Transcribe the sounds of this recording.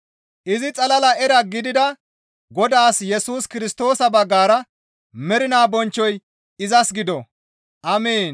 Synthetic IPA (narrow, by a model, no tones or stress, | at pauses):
ʔɪzɪt͡sʼɐlɐlɐɛɾɐɡɪd̪ɪd̪ɐ | ɡɔd̪aːsjɛsuːskɪɾɪst̪o̞ːsɐbɐɡːaːɾɐ | mɛɾɪnaːbɔnt͡ʃːɔj | ɪzɐsɡɪd̪ɔ | ʔɐmeːn